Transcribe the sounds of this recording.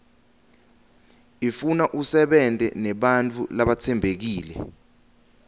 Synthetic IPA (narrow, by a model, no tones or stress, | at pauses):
ifunaʔusɛɓɛntʼɛ̰nɛɓant͡fʰʼṵlaɓat͡sʰɛmbʱek̬iːlɛ̰